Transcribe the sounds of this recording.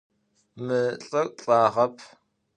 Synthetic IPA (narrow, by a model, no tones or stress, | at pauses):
mɨɬʼɐkʷʼɬʼaːʁɐpʰ